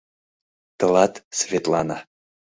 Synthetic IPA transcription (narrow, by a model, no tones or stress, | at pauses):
t̪ə̆lˠɑt̪svʲet̪lˠɑna